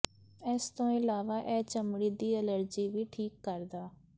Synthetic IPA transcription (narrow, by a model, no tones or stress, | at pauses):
ɛːst̪õːɪlaːʋaːʔɛːt͡ʃəmɽiːd̪iːələɾd͡ʒiːʋiːʈʰiːkːəɾd̪aː